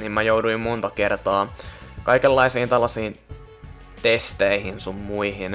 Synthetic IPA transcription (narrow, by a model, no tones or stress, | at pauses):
nimmæjouduimmont̪ɑkert̪ɑːkɑikelːɑisiːnt̪ælːɑsiːn | t̪est̪eihinsumːuihin